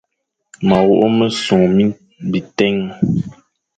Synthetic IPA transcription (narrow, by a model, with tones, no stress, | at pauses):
ma˨wo˦ʔo˦mə˦su˨ŋmi˦ | bi˨tɛ˦ŋ